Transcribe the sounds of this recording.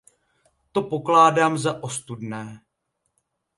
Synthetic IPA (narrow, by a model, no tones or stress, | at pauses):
t̪o̞po̞klaːdaːmzaʔo̞st̪udnɛː